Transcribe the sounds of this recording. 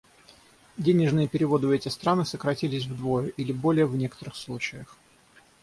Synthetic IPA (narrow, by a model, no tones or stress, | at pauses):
dʲenʲɪʐnɨjəpʲɪɾʲɪvo̞d̪ɨɛtʲɪst̪ɾanɨsəkɾɐtʲilʲɪsʲvd̪vo̞jʊʔilʲɪbo̞lʲɪjəvnʲe̞kə̥t̪əɾɨxslˠut͡ɕɪjəx